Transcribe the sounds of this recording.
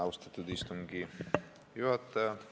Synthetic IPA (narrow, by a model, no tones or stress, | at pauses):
ɑust̪ɑt̪ːud̪ist̪uŋɡi | juɦɑt̪ːɑjɑ